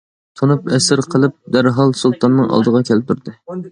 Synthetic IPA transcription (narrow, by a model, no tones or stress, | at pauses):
t̪ʰonupɛsɪɾqʰəlˠɨp̚d̪æɾɦɑlˠsulˠt̪ʰɑnːɨŋɑ̰lˠd̪əʁɑkʲʰɛlɪp̚t̪ʰuɾd̪ɨ